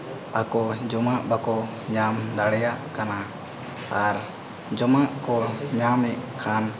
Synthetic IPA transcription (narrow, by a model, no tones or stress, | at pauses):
akɔd͡ʒɔmaʔbakɔ | ɲamd̪aɽɛjaʔkana | aɾ | d͡ʒɔmaʔkɔɲamɛʔkʰan